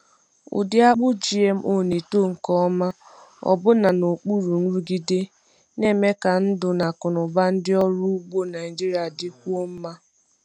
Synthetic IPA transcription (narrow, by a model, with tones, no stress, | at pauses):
ʊ̰˨dɪ˦a˦k͡pʊ˦d͡ʒi˦e˨m̩˦ʔo˦˨ne˨to˦˨ŋ̩˨kɔ˦ma˦ | ɔ̰˨bʊ˦na˨no˨k͡pu˦ɾu˨ŋ̩˦ɾu˦ɡi˦de˦ | ne˦me˦ka˨n̩˦dʊ˨na˨kʊ˨nʊ˨ba˦n̩˦dɪ˦ɔ˦ɾu˦ɡ͡bo˦na˨i˨d͡ʒi˦ɾi˨a˨dɪ˦kʷu˦o˦m̩˦ma˦